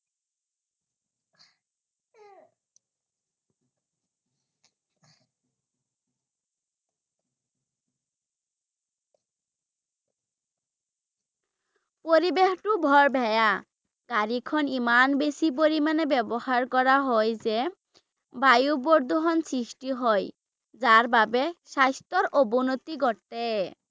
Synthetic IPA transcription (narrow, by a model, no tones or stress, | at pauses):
poɾibexʈubʱɔɾbʱɛja | ɡ̥aɾikʰɔnimanbesip̬oɾimanebɛbohaɾkɔɾaɦɔjd͡ʑe | bajuboɾd̪ʱoɦɔnsɾiʃʈiɦɔj | d͡ʑaɾbabeʃast̪oɾobonot̪iɡɔɾt̪e